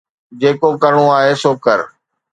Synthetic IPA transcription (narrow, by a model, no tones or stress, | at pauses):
d͡ʑeːkokəɾəɽ̃õaːɦeːsoːkəɾ